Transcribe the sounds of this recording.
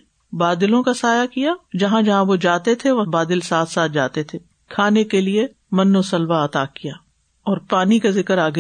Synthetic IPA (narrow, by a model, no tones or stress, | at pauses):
baːd̪ɪlõkasaːjakijaːd͡ʒɐɦãd͡ʒɐɦãʋod͡ʒaːt̪et̪ʰeʋɐbaːd̪ɪlsaːt̪ʰsaːt̪̚ʰd͡ʒaːt̪et̪ʰe | kʰaːnekelie | mɐnːosɐlbaɐt̪aːkijaː | ɔːɾpaːnikazɪkəɾaːɡɐ